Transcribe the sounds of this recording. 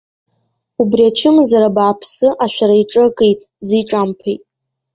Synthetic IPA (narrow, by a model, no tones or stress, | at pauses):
ubriat͡ʃʰɪmzaɾabaːpʰsɨʔaʃʷᶣaɾaiʈ͡ʂʼɨkʼejtʼ | d͡ziʈ͡ʂʼampʰḛjtʼ